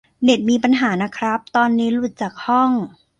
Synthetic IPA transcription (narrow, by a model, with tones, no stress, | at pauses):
ne˨˩t̪̚miː˧pa˧nɦaː˩˦na˦˥kʰɾa˦˥p̚t̪ɔː˧nːiː˦˥lu˨˩t̪̚t͡ɕaː˨˩k̚hɔ˥˩ŋ